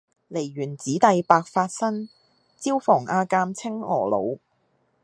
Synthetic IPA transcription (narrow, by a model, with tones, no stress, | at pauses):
le˨˩jɥyː˨˩nt͡siː˨˥t̪ɐ˨jpaː˧k̚faː˧t̚sɐ˥ŋ | t͡siː˥wfɔː˨˩ŋʔaː˧kaː˧mt͡sʰɪ˥ŋɔː˨˩lo̰˨˧w